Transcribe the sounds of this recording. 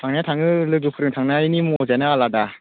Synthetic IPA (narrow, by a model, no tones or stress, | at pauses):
tʰaŋnatʰaŋɯlɯɡɯpʰɯɾɯŋtʰaŋnainimozɛnaalada